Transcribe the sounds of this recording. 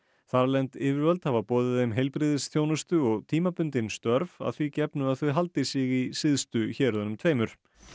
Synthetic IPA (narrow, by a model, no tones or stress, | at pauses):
θaɾlɛnt̪ɪːvɪɾvœlt̪havapɔːðɪðejmɦejlpɾiːðɪsθjownʏst̪ʏɔɣt̪ʰiːmapʏnt̪ɪnst̪œɾva̰ðθvicɛpnʏaðθœɥɦalt̪ɪsɪɣisɪðst̪ʏçɛːɾðɛnʏmt̪ʰveːjmʏɾ̥